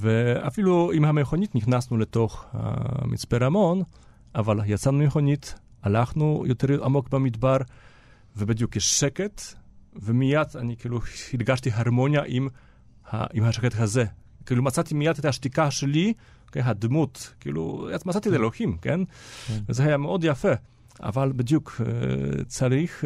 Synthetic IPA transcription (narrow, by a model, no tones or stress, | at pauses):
vea̰filuimhameχonit̪niχnasnulet̪oχha̰mḭt͡speɾamon | avaljat͡sanumeχonit̪ | alaχnujot̪eɾʔamokbamid̪baɾ | vebed̪jukːeʃeket̪vemijad̪anikiːluhilɡaʃt̪iɦaɾmonjaʔim | ha̰ʔimhaʃɛket̪hazɛ | kilumat͡sat̪imijat̪t̪aʃt̪ikaʃeli | okeɦad̪mut̪kḭlṵjamat͡sat̪id̪eloximkenvezeajameod̪jafe | a̰valbed̪juk | t͡saɾix